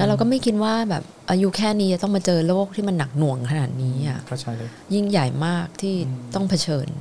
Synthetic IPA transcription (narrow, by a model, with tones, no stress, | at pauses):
lɛ˦˥ɾa˧wk̬ɔ˥˩ma˥˩jkʰi˧n̚waː˥˩bɛː˨˩p̚ʔaː˧ju˦˥kʰɛː˥˩niː˦t͡ɕa˨˩t̪ɔ˥˩ma˧t͡ɕɤː˧lːoː˦˥˩k̚t̪ʰiː˥˩ma˧nːa˨˩k̚nu˨˩əŋkʰa˧naː˨˩t̪̚niː˦˥ʔa˨˩ʔ | ji˥˩ŋja˨˩jmaː˥˩k̚t̪ʰiː˥˩t̪ɔ˥˩ŋpʰa˧t͡ɕʰɤː˧n